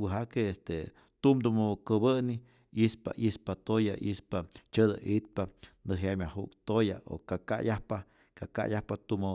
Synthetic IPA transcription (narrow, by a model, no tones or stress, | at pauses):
wɨɦakeest̪e | t̪umd̪umokəbəni | ispa̰ʔispat̪ojaʔḭspat͡ʃəd̪aʔit̪̚panɨɦjamʲahukt̪ojaʔo̰kaka̰jahpa | kaka̰jahpat̪umo